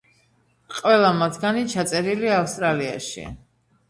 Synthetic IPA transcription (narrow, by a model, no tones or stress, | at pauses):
qʼvɛlˠamat̪ʰɡanit͡ʃʰat̪sʼɛɾiliafst̪ʼɾalia̰ʃḭ